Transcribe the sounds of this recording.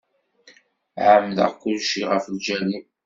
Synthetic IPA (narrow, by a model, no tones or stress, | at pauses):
ʕəmːðə̰ʁkʊlʃiʁəfld͡ʒælin